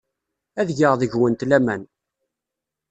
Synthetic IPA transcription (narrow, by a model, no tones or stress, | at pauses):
æðʝəʁðəʝwənt̪læmæn